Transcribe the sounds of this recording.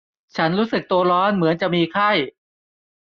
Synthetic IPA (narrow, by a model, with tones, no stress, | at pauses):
t͡ɕʰa˦˥nɾuː˦˥sɯ˨˩k̚t̪u˧ɐɾɔː˦˥nmɯ˩˦ənt͡ɕa˨˩miː˧kʰa˥˩j